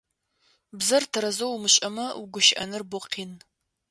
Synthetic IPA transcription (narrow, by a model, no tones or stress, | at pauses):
bzɐrtʰɐɾɐzowmɨɕʼɐmɐwɡʷʊʃɪʔɐ̰nɨrbʊqʰiːn